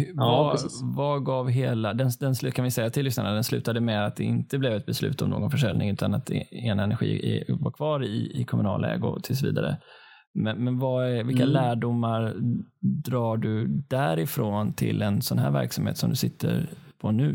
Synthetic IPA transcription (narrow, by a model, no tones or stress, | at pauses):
havaɡɑːvɦeːlad̪ɛnd̪ɛnslkʰanvɪsɛjːat̪ʰɪlːʏsnaɳad̪ɛnslʉ̟ːt̪ad̪əmɛd̪at̪̚d̪ɛɪnt̪əblɛvɛt̪̚bɛslʉ̟ːt̪ɔmno̰ːɡɔnfœʂɛlnɪŋʉ̟ːt̪anat̪eːnaɛnæɾɧḭːɛ̰vaɾkʰvɑːɾɪɪɪkʰɔmɵnɑ̰ːlɛ̰ːɡʊ̰t̪ʰɪlsɔvḭːd̪a̰ɾə̰ | mɛnmɛnvaævɪlkːalæːɖʊmːaɾ | d̪ɾɑːɖɵd̪æɾɪfɾoːnt̪ʰɪ̰lɛnsɔnɦæːɾvæ̰ɾksamhḛːt̪sɔmd̪ɵsɪt̪ʰːəɾpʰɔnʉ̟ː